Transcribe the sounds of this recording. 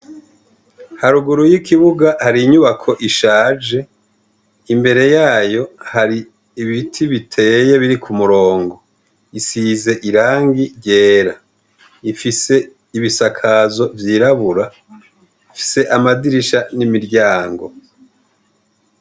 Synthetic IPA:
haɾuɡuɾujikiβuɡahaɾiɲuβakʰo̞ʔiʃaːd͡ʒe̞ | imbe̞ɾe̞jaːjo̞haɾi | iβitʰiβitʰe̞je̞βiɾikʰumuɾo̞ːŋɡo̞ | isize̞ʔiɾaːŋɡiɾɟe̞ːɾa | ifise̞ | iβisakʰazo̞vjiːɾaβuɾa | ifi̥se̞ʔamadiɾiʃanimiɾɟaːŋɡo̞̰

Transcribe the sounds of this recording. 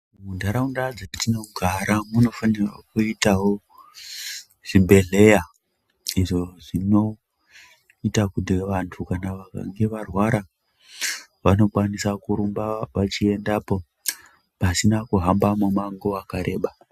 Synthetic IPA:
mundʱaɾaundad͡zetino̞ɡʱaɾamuno̞fanira̰kuitaɦo̞ | ʐ̥imbe̞ɮe̞ja | iʐo̞ʐino̞ | itakudeʋantʰukanaʋaka̰ŋɡe̞ʋarwaɾa | ʋano̞kwanisakuɾumbaʋat͡ʃie̞ndaːpo | pasinakuɦambamomaŋɡoakaɾe̞ːɓa

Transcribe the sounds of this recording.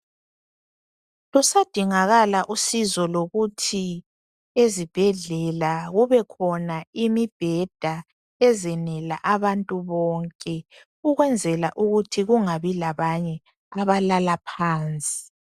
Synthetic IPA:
lusad̥ʱiŋaɣalaʔusizɔloɣutʰi | ezib̥ʱɛɮɛlaɣuβɛkʰɔnaimib̥ʱɛd̥ʱa | ɛzɛnɛla̰ʔaβantʼuβɔːŋkʼɛ | uɣwɛnd͡zʱɛlaʔuɣutʰiɣuŋaβilaβaɲɛ | aβalalapʰaːnt͡sʼi̥

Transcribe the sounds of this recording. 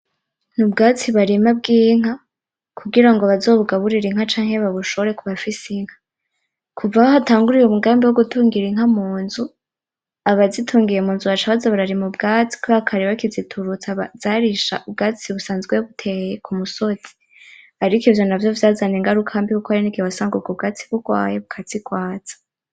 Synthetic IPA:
nubɡaːt͡siβaɾimab̚ɡiːŋ̥a | kʰuɡiɾaŋɡoβazo̞ːβuɡaβuɾiɾiŋhat͡ʃaːŋhe̞βaβuʃooɾe̞kuβafisiŋhḁ | kʰuvahaɦataːŋɡuɾijumuɡaːmbiwoɡutuːŋɡiɾiŋ̥hamuːnzu | aβazitʰuːŋɡijemuːnzuβat͡ʃaβazaβaɾaɾimubɡaːt͡si̥koβakʰaɾiβakizitʰuɾut͡saβazaɾiʃa̰ʔub̚ɡat͡siβusaːnzɡweβutʰejekʰumuso̞tʰi̥ | haɾikivjo̞navjovjazaneːŋɡaɾukʰaambikukohaɾiniɡiwasaːŋɡuɡob̚ɡat͡si̥βuɡwa̰ːjeβukʰat͡sikwaːt͡sḁ

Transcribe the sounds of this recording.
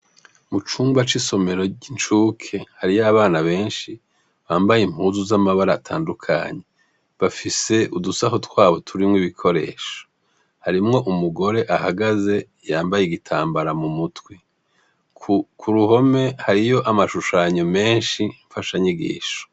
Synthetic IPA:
mut͡ʃuːmbat͡ʃiso̞me̞ɾo̞int͡ʃuːkʰe̞haɾijaβaːnaβe̞ːnʃi | βaːmbajim̥huːzuzamaβaɾaːtʰa̰ːndukʰa̰ɲe̞ | βafise̞ʔudusaɦo̞twaːβo̞tʰuɾimŋiβikʰo̞ɾe̞̰ːʃo̥ | haɾimŋo̞ʔumuɡo̞ɾe̞ʔahaɡaze̞ | jaːmbajeɡitʰa̰ːmbaɾamumutwi | kʰuɾuɦo̞me̞haɾijo̞ʔamaʃuʃaːɲo̞me̞ːnʃiɱfaʃaɲiɡḭːʃo̥

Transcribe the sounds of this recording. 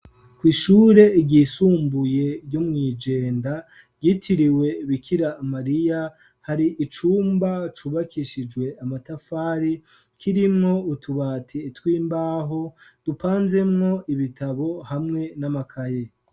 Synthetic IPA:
kwiːʃuːɾe̞iɟisuːmbuje̞ɾɟomŋiːd͡ʒe̞ːnda | ɟitʰiɾiwe̞βikʰiɾamaɾija | haɾiʔit͡ʃuːmbat͡ʃuβakʰiʃid͡ʒɡwe̞amatafaːɾi | kʰiɾimŋo̞utʰuβaːtʰiːtwiːmbaːɦo̞d̥upaːnze̞mŋo̞iβitʰaβo̞hamŋe̞namakʰaje

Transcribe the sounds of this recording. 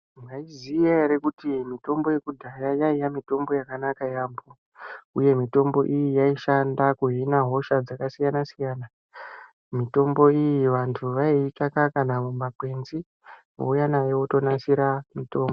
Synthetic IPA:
ŋɡaizijaɾekutimito̞mbo̞je̞kudʱajajaijamito̞mbo̞jakanakajaːmbo | uje̞mito̞mbo̞ʔijijaiʃandakuɦinaɦo̞ʃad͡zakasijanasijaːna | mito̞mbo̞ijiʋantʰuʋaiːtakakanamumakwe̞nzi | ʋo̰ujanajewoto̞nasiɾamito̞ːmbo

